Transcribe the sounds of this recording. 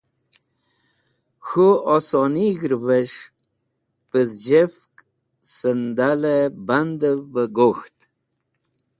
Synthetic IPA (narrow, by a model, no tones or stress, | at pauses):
xuɔsoniɡɾvəʂ | pəzd͡ʑefk | sənd̪aleband̪əvbəɡoxt̪